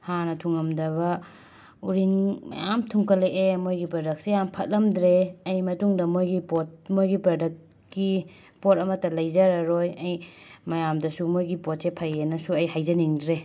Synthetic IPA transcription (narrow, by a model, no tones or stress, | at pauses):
hanɐtʰuŋɐmdɐβɐ | uɾiŋmɐ̰jamtʰuŋkɐleʔemojɡipɾɐdɐk̚sejampʰɐt̚lɐmdɾeɐjmɐtuŋdɐmojɡipot̚mojɡipɾɐdɐkː | i | pot̚ɐmɐtɐlɐjzɐɾɐɾojɐjmɐjamdɐsumojɡipot̚sepʰajenɐsuɐjɦajzɐniŋdɾe